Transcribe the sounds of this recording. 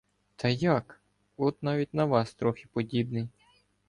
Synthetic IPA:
t̪ʰɐjɑk | ɔt̪nɑʋʲitʲnɐʋɑst̪ɾɔxʲipɔdʲibnɪj

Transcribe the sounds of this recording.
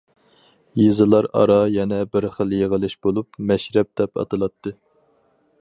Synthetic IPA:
jizɨlˠɑɾɑ̰ɾɑjɛnɛbɪɾχəlˠjeʁəlˠɪʃb̥olˠupmɛʃɾɛp̚d̪ɛpɑ̰t̪ʰɨlˠɑt̪ʰːɨ

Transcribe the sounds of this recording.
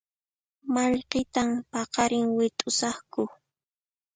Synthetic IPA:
maʎqɪt̪ampɑqɑɾɪŋwɪt̪ʼʊsɑχkʊ

